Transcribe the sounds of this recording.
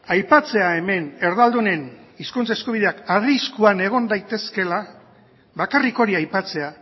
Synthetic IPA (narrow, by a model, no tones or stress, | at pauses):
ajpat͡se̞ae̞me̞ne̞ɾðald̪une̞niskunt͡saeskuβiðe̞akariskuane̞ɣ̞o̞nd̪ajt̪e̞ske̞la | βakariko̞ɾiajpat͡se̞a